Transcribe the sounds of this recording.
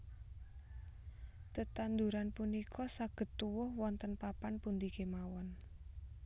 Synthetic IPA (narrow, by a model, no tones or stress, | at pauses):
t̪ət̪and̪uɾanpunikʰɔsaɡ̥ə̤t̪ːuwʊhwɔnt̪ənpapanpund̪ikemawɔn